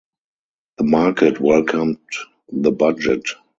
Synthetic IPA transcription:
ðəmakʰətʰwɛlkʰãmt | ðəbad͡ʒət

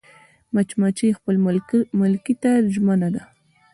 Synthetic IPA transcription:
mat͡ʃmat͡ʃijxpəlmʊlkit̪aʒmanad̪a

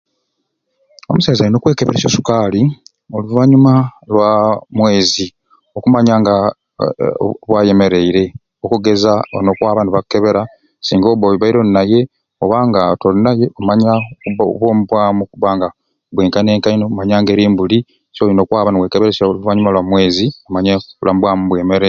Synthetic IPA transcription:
o̰musaːzalinokwe̞ːkeβeɾesosu̥kaːli | oluvaːɲumalwamwe̞ːzi | o̞kumaɲaːŋɡa | βwaːje̞me̞ɾe̞iɾe̞ | okuɡe̞zaono̞kwaːβanuβakːeβe̞ɾa | siːŋɡoβoːβiβaiɾo̞nnaje̞ | oβaːŋɡatolinajeomaɲakuββwoːmuβwaːmukuβaːŋɡa | βweːŋkane̞ːŋkainomaɲaːŋɡe̞ːɾiːmbuli | solino̞ːkwaːβaniwekeβeɾesaoluvaɲumalwamwe̞ːziomaɲaulʔambwamuβwemeɾe

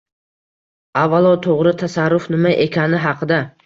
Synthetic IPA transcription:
avːalˠɒt̪ʰoʁɾɪt̪ʰasaɾːʊfnɪmaʔe̞kʲʰanɪɦɑqʰɨd̪a

